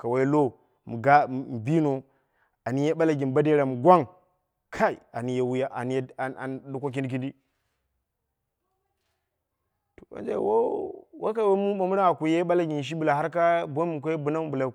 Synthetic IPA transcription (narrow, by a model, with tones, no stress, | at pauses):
ka˨wa˦jlo˦ | mu˨ɡa˦˨m˨bi˦no˨ | a˨ni˨˦je˦ɓa˦la˨ɡi˨n˨ba˦de˦ɾa˨mu˨ɡʷa˦ŋ | kʰa˦ḭ˨a˨ni˨je˨wu˦ja˦ʔa˨n˦˨a̰˨n˨du˨kʷo˦k̬i˦ndi˦k̬i˦ndi˦ | to˨ba̰˨˦nd͡ʒa̰˦˨wo̰˦wʔa̰˦ka˨wa˦mu˦ma˨mu˦ɾa˦a˨ku˨je˦ɓa˦la˦ɡi˨n˨ʃ̬i˦bu˨la˨ɦa˦ɾka˦bo˦mu˨k̬ʷo˦jbu˦na˦m˦bu˨la˨